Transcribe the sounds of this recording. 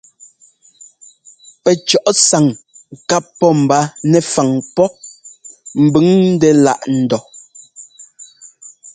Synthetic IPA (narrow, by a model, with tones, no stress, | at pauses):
pɛ˨t͡ʃɔ˨ʔsa˨ŋ | ka˦pːɔ˦m̩˨ba˦nɛ˨fa˨ŋpɔ˦ | m̩˨bʉ˦ŋn̩˦dɛ˦la̰˦˨ʔn̩˨dɔ˨